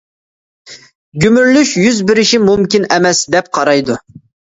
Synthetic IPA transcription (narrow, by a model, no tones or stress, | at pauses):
ɡʲymyɾlyʃjyzbɪɾɪʃimumkʲinɛmɛsd̪ɛp̚qʰɑɾɑjd̪u